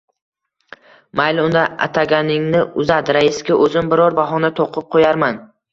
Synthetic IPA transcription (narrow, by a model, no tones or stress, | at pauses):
majlʊnd̪aa̰t̪ʰaɡʲanɪŋnɪʊzad̪ɪɾaɪskʲaʔɵzɪmbɪɾɒɾbaɦɒnat̪ʰoqʰɨp̚qʰojaɾman